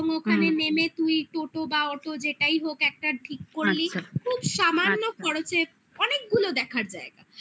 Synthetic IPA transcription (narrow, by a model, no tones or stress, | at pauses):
oŋokʰanenemet̪ujʈoʈobaɔʈod͡ʑeʈaiɦokɛk̚ʈaʈʰikːoɾlikʰubʃamanːokɔɾot͡ɕʰe | ɔnek̚ɡulod̪ɛkʰaɾd͡ʑaeɡa̰